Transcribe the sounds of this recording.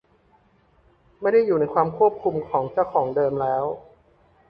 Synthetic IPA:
ma˥˩jda˥˩jːuː˨˩na˥jkʰwaː˧mkʰu˥˩əp̚kʰu˧mkʰɔː˩˦ŋt͡ɕa˥˩wkʰɔː˩˦ŋdɤː˧mlɛː˦˥w

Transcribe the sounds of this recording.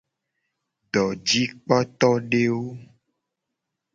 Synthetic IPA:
ɖɔ˨d͡ʒi˦k͡pɔ˦t̪ɔ˦ɖe˦wo˦

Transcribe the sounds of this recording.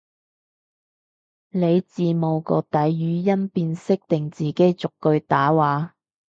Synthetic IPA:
le˨˧jt͡siː˨˧mo˨wkɔ̰ː˧t̪ɐ˨˥jːyː˨˧jɐ˥npiː˧nsɪ˥k̚t̪ɪ˨˩ŋt͡siː˨˩ke˨˥jt͡sʊ˨kːɵ˧ɥt̪aː˨˥waː˨˧

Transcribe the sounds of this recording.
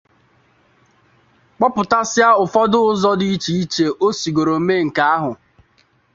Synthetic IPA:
k͡pɔ˦pʊ˨ta˦sja˦ʊ˨fɔ˦dʊ˦ʊ˦zɔ˦di˦i˦t͡ʃi˦i˦t͡ʃe˨ʔo˦si˨ɡo˨ɾo˨m̩˦me˦˨ŋ̩˨ka˦a˦ɦʊ˨

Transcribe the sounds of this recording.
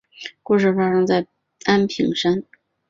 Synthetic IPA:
ku˥˧ʂ̬ɻ̩˥˩fa˥ʂɤ˥ŋt͡sa˥˩ɪ | a˥npʰḭ˨˧˩ŋʂa˥n

